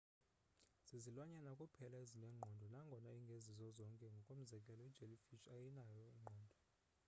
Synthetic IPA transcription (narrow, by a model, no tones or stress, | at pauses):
z̥izilwaɲɛnakʼupʰɛlaezilɛŋ͡ǃʱɔndʱɔnaŋɡʱɔnaiŋɡʱezizɔzɔŋkʼɛŋɡʱɔkʼom̩zɛkʼɛlɔɛd̥d͡ʒ̥ʱelifit͡ʃajɛnajɔiŋ͡ǃʱɔːndʱɔ